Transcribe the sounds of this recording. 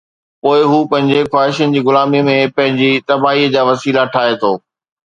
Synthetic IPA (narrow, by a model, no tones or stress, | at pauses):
poːɪɦuːpɐ̃ɦɪ̃ɲd͡ʑexwaːɦɪʃənɪ̆d͡ʑiːɣʊlaːmimẽpɐ̃ɦɪ̃ɲd͡ʑit̪ɐbaːɦiəd͡ʑaːʋɐsiːlaʈʰaːet̪ʰoː